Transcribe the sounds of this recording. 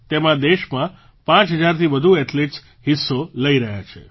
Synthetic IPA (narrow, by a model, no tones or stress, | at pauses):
t̪emãd̪eʃmã | pãt͡ʃɦəd͡ʒaɾt̪ʰiʋəd̪ʱueʈles | ɦɪsːoləiɾəɦja̰t͡ʃʰḛ